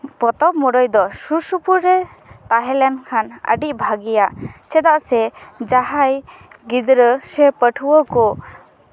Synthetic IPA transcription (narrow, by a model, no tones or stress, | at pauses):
pɔt̪ɔp̚mɔɽɔjd̪ɔsusupuɾɛ | t̪aɦɛlɛnkʰanə̰ɖiʔ̚bʱaɡijat͡ʃɛd̪aʔsɛd͡ʒaɦajɡid̪ɾəsɛpəʈʰuwəkɔ